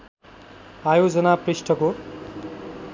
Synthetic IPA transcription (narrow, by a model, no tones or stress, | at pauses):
ajod͡zʌnaprisʈʰʌko